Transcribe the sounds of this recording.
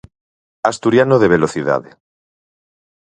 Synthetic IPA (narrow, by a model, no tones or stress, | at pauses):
ast̪uɾjanoðeβ̞eloθiða̰ðḛ